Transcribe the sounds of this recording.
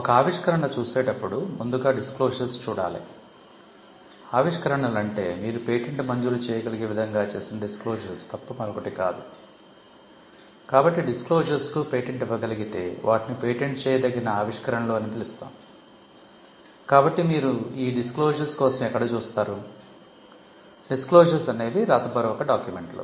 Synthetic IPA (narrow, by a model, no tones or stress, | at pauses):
ɔkɐaːʋiʂkɐɾɐɳɐt͡ʃuːse̞ːʈɐpːuɽumund̪uɡaːɖiskloːʃɐɾst͡ʃuːɽa̰ːlḭ | aːʋiʂkɐɾɐɳɐlɐɳʈe̞ːmiːɾupe̞ːʈeɳʈmɐɲd͡ʒuɾut͡ʃɛːjɐɡɐliɡeːʋid̪ʱɐŋɡaːt͡ʃe̞ːsinɐɖiskloːʒɐɾst̪ɐpːɐmɐɾɐkɐʈikaːd̪u | kaːbɐʈːiɖiskloːd͡ʒɐɾskupe̞ːʈeɳʈiʋːɐɡɐliɡit̪e̞ːʋʔaːʈinipe̞ːʈeɳʈt͡ʃɛːjɐd̪ɐɡːinɐaːʋiʂkɐɾɐɳɐloːɐnit̪ilust̪a̰ːm | kaːbɐʈːimiːɾuiːɖiskloːd͡ʒɐɾskɔːsɐmɛkːɐɽɐt͡ʃuːst̪aːɾu | ɖiskloːʃɐɾsɐne̞ːd̪iɾaːt̪ɐpɐɾɐʋɔkːɐɖaːkjume̞ɳʈlo̰ː